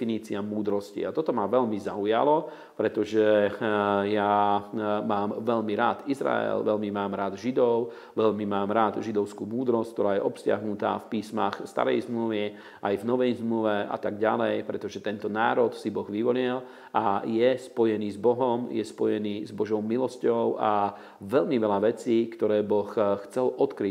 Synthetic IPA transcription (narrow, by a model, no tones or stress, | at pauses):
iniːt͡siamuːd̪ɾɔscḭat̪ɔt̪ɔmaʋɛʎmizauja̰lɔ | pɾɛt̪ɔʒɛ | ja | maːmʋɛʎmiɾaːt̪izɾa̰ɛ̰lʋɛʎmimaːmɾaːd̪ʒid̪ɔʊ | ʋɛʎmimaːmɾaːd̪ʒid̪ɔʊskuːmuːd̪ɾɔsck̚t̪ɔɾaːjɛʔɔpscɪa̰ɦnut̪a̰ːfpiːsmaxst̪a̰ɾɛ̰jzmluʋi | ʔajvnɔʋɛjzmluʋɛa̰t̪aɡɟalɛjpɾɛt̪ɔʒɛt̪ɛnt̪ɔnaːɾɔt̪sibɔɣʋiʋɔlɛl | ʔajɛspɔjɛniːzbɔɦɔmjɛ̰spɔjɛniːzbɔʒɔʊmilɔscɔʊʔa | ʋɛʎmiʋɛlaʋɛt͡siːkt̪ɔɾɛːbɔxxt͡sɛlʔɔt̪kɾi